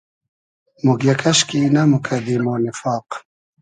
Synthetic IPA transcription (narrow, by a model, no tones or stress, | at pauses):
muɡjɐkɐɕkinamukʰɐd̪imoːnɪfɑːq